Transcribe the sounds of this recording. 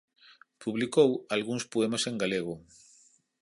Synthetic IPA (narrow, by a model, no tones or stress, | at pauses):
puβlikowalɣuŋspoemaseŋɡaleɣ̞o